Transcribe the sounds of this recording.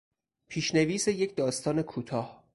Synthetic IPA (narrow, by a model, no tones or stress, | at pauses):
pʰiːʃne̞viːse̞je̞cʰd̪ɒːst̪ʰɒːne̞kʰuːt̪ʰɒːh